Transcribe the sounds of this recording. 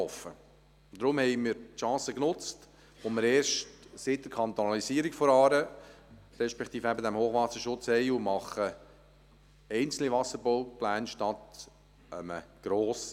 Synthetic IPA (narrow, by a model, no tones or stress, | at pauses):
ɔfːə | d̥̪ɾʊmhɛɪmɪɾtʃɑ̃ːsəknʊt͡st | oməɾeːɾʃtsɪt̚dəɾkʰɑnt̪ɔnɑlisiːəɾikfɔɾɑːɾə | ɾɛʃpɛkt̪iːfæbəd̪æmhoːχʋɑsəɾʃʊt͡shɛɪumɑχə | ɛɪnt͡sl̩niʋɑsəɾbɔʊplæːnʃtɑt̪ | əmə̰ɡ̥ɾoːs